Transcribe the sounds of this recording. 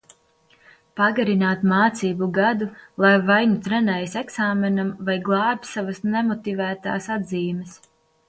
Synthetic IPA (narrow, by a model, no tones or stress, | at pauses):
paɡaɾinaːt̪maːt̪siːbuɡad̪ulˠajvajnut̪ɾɛnɛːjsɛksaːmɛnamvajɡlˠɑːbʲisavɐsnɛmɔt̪ivæːt̪a̰ːsad̪ziːməs